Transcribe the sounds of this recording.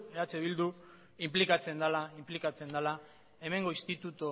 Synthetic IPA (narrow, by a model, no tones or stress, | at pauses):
eat͡seβild̪u | implikat͡se̞nd̪alaimplikat͡se̞nd̪ala | e̞me̞ŋɡo̞ist̪it̪ut̪o